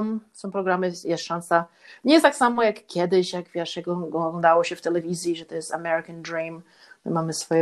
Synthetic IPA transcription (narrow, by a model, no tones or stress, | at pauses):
msɔ̃w̃pɾɔɡɾamɘjɛst̪ʂansa | ɲɛjɛst̪aksamɔjakːʲjɛd̪ɘɕjaɡvʲjɛʂjaɡɡlɔɔnd̪awɔɕɛft̪ɛlɛvʲizʲjiʐɛt̪ɔjɛst̪a̰mɛɾɨkand̪ɾim | mɘ̰mamɘsfɔjɛ